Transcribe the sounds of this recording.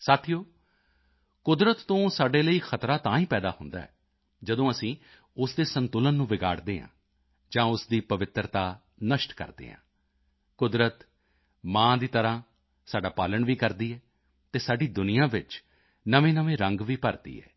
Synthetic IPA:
saːt̪ʰijoː | kʊd̪ɾət̪ːõːsaːɖeːləiːxʰət̪ɾaːt̪ãːĩːpɛːd̪aːhʊnd̪a̰ːɛ̰ː | d͡ʒəd̪õːəsĩː | ʊsd̪eːsənt̪ʊlənːũːʋɪɡa̰ːɽd̪eːɦã̰ː | d͡ʒãːʊsd̪iːpəʋɪt̪ɾt̪aː | nəʃʈkə̰ɾd̪ḛːɦã̰ː | kʊd̪ɾət̪ | mãːd̪iːt̪əɾãː | saːɖaːpaːləɳʋiːkəɾd̪iːɛː | t̪eːsaːɖiːd̪ʊnɪjãːʋɪt͡ʃ | nəʋẽːnəʋẽːɾə̃ŋɡʋiːpəɾd̪ḭːɛ̰ː

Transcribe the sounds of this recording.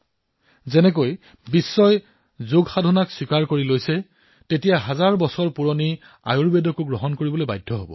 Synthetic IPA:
zɛnɛk̬oj | bisːɔj | zoɡxadʱɔnakswikaɹkoɹilojsɛ | tetijaɦazaɹbɔsɔɹpuɹɔni | a̰juɹbedɔkuɡɹɔɦɔnkoɹibɔlojbajdʱːɔɦobɔ̰

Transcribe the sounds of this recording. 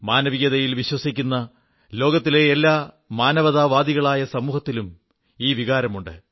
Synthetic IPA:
maːnɐʋiɣɐðɐjilʋiɕwɐsikʲːunːɐ | lo̞ːɡɐt̪ːile̞ːlːaː | maːnɐʋɐðaːʋaːd̪iɣɐɭaːjɐsɐmuːhɐt̪ːilum | iːʋiɣaːɾɐmuɳɖɨ̰

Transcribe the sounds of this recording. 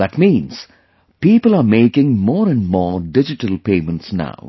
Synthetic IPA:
d̪æʈmĩːns | piːpəlaːɾmeːkɪ̃ŋmɔːɾɛ̃nɖmɔːɖɪd͡ʒɪʈəlpẽːmə̃nʈsna̰ʊ

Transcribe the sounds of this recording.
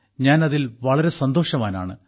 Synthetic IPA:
ɲaːnɐðilʋɐɭɐɾe̞sɐnd̪o̞ːʂɐmaːna̰ːɳɨ̰

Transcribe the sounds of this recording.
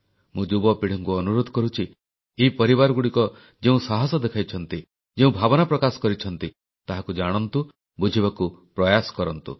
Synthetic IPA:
mũd͡ʒubɔpiɽ̤ɔŋkuɔnuɾod̪ʱɔ̥kɔɾut͡ʃʰi | epɔɾibaɾɔɡuɽikɔ | d͡ʒeũsaɦɔsɔd̪ekʰajt͡ʃʰɔnt̪i | d͡ʒeũbʱabɔnapɾɔkasɔ̥kɔɾit͡ʃʰɔnt̪i | t̪aɦakud͡ʒaɽ̃ɔnt̪u | bud͡ʒʱibakupɾɔjasɔ̥kɔɾɔnt̪ṵ

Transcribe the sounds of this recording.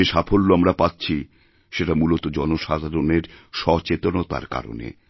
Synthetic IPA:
eʃafʰolːoamɾapatːɕʰi | ʃeʈamulot̪od͡ʑɔnoʃad̪ʱaɾoneɾʃɔt͡ɕet̪onot̪a̰ɾka̰ɾo̰nḛ

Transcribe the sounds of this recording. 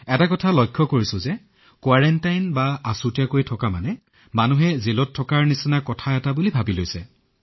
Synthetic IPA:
ɛtakɔtʰalɔjkʰːɔkoɹisʊ̃zɛ | kwaɹɛntajnbaasutiakojtʰɔkama̰nɛ | manuɦɛzelɔtʰːɔkaɹnisinakɔtʰaɛtabulibʱabilojsɛ

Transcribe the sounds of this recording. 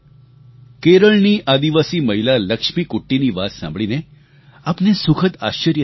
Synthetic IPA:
keɾəɭniːʔad̪iʋasiːməɦilaləkʂmikuʈːiniʋat̪sã̰mbʱɭine | apnesukʰət̪aɕəɾjə

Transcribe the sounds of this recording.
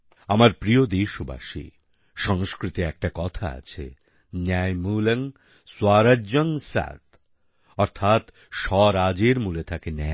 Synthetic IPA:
amaɾpɾiod̪eʃoba̰ʃḭ | ʃɔŋskɾit̪eɛk̚ʈakɔt̪ʰa̰a̰t͡ɕʰḛ | najmulɐŋ | swaɾad͡ʑoŋsa̰d̪ | ɔɾt̪ʰat̪ | ʃɔɾad͡ʑeɾmulet̪ʰakenɛ

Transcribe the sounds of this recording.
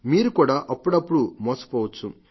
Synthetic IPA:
miːɾukuːɽaːʔɐpːuɽɐpːuɽumoːsɐ̥poːʋɐt͡ʃːu

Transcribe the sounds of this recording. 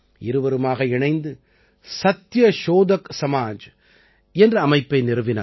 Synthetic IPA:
ɪɾɯʋɐɾɯmaːɣɐɪɳɐɪnd̪ɯ | sɐt̪ːjɐʃoːðɐksɐmaːd͡ʒ | ɛndrɯɐmɐɪpːɐɪnɪɾɯʋɪna̰ː

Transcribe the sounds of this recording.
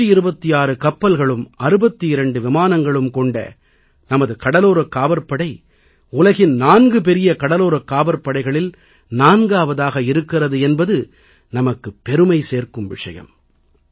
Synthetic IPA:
ɯɪɾɯbɐt̪ːɪjaːɾɯkɐpːɐlɣɐɭɯmɐɾɯbɐt̪ːiɪɾɐɳɖɯʋɪmaːnɐŋɡɐɭɯmkɔɳɖɐ̰ | nɐmɐðɯkɐɽɐloːɾɐkːaːbɐɾpːɐɽɐɪ | ʊlɐɣɪnnaːnɡɯp̬ɛɾɪjɐkɐɽɐloːɾɐkːaːbɐɾpːɐɽɐɪɣɐɭɪl | naːnɡaːʋɐðaːɣɐɪɾɯkːɪrɐðɯɛnbɐðɯ | nɐmɐkːɯpːɛɾɯmɐɪseːrkɯmʋɪ̰ʂɐ̰jɐ̰m

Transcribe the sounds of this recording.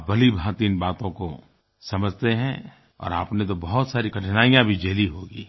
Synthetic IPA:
bɐlibʱãt̪inbaːt̪õko | sɐməd͡ʒʱt̪eɦɛ̃ | ɔ̰ːɾa̰ːpnet̪̬obɐɦʊt̪saːɾikɐʈʰnaːijãbʱid͡ʒeːliɦoːɡḭː

